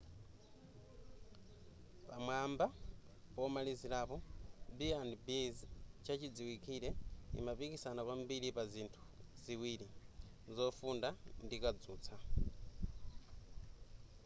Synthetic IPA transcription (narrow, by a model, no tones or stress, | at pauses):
pamwaːmba | pɔmalizilapɔbiandbizt͡ʃʰat͡ʃid͡ziwikʰiɾɛḭmapikisanapwambilipazintʰu̥ziwiːli | zɔfundandikad͡zuːt͡sʰa